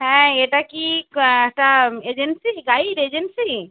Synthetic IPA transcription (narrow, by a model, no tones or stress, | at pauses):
ɦɛ̃eʈakiʈaeːd͡ʒensiɡaːiɖeːd͡ʒensi